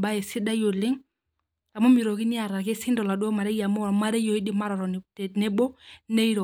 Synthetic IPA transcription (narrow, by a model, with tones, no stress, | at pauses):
ba˦ɛ˨si˦ɗa˦jo˨li˦ŋ | a˨mɔ˦mi˨ɾɔ˨ki˦ni˦a˨ɾa˨kɛ˦si˦ndɔ˨la˨ɗɔ˦ɔ˦ma˨ɾɛ˦ja˨mɔ˦˨ma˦ɾɛ˦jɔ˨i˦di˦ma˦ɾɔ˨ɾɔ˨nɛ˦ɓɔ˦ne˦i˦ɾɔ˨